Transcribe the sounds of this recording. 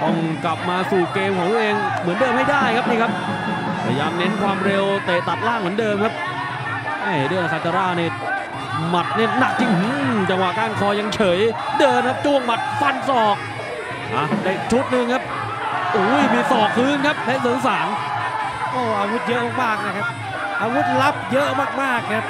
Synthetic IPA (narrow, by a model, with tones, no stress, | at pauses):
tɔ˧ŋkla˨˩p̚maː˧suː˨˩keː˧mkʰɔː˩˦ŋuː˦˥˩ʔeː˧ŋmɯ˩˦ndɤː˧mha˥˩jdaː˥˩jkʰa˦˥p̚niː˥˩kʰa˦˥p̚ʰ | a˧jaː˧mnɛ˦˥nkʰwaː˧mɾe˧wt̪eː˨˩t̪a˨˩p̪̚laː˥˩ŋmɯ˨˩˦əndɤː˧mkʰa˦˥p̚ | ʔaː˧˩dɯ˧˩n˧sa˧t͡ɕaː˧ɾaː˥˩niː˧˩ | ma˨˩t̪̚ni˥˩na˨˩k̚t͡ɕi˧ŋhu˧˥˦t͡ɕa˧ŋwa˨˩kaː˥˩nkʰɔː˧ja˧ŋt͡ɕʰɤː˩˦jdɤː˧mkʰa˦˥p̚t͡ɕu˥˩əŋma˨˩t̪̚fa˧nsɔː˨˩k̚ | ʔaː˧˩daː˧˩˨t͡ɕʰu˦˥t̪̚nɯ˧ŋkʰa˦˥p̚ | ʔuː˩˦jmiː˧˩sɔː˨˩k̚kʰɯː˦˥nkʰa˦˥p̚lɛ˦˥sɯː˨˩˦ŋsaː˩˦ŋ | ɔː˧˩ʔaː˧wu˦˥t̪̚jɤ˦˥ʔmaː˥˩k̚maː˥˩k̚naː˧˩jkʰa˦˥p̚ | ʔaː˧wu˦˥t̪̚la˦˥p̚jɤ˦˥ʔmaː˥˩k̚maː˥˩k̚nʰ˧a˦˥p̚